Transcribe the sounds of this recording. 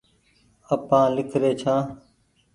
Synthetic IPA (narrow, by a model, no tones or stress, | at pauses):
əpãːlɪkʰɾeːt͡ʃʰãː